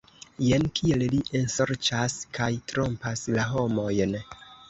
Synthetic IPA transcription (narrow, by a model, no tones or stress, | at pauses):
je̞nkʰie̞lliʔenso̞ɾt͡ʃaskʰajtɾo̞mpaslaɦo̞mo̞jn